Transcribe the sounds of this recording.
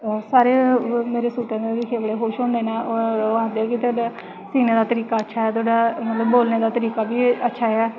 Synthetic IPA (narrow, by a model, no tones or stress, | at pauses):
saːɾeːmeːɾeːsuːʈãːd̪eːɾɪkʰeːbəɽeːɦoːʃɦɔ̃ːnd̪eːnaːooãːnd̪eɛːkɪt̪aːɖaː | siːneːd̪aːt̪əɾiːkaːətːʃʰaːɛːt̪aːɖaːmət̪ləbːoːlneːd̪aːt̪əɾiːkaːbiːətːʃʰaːɛː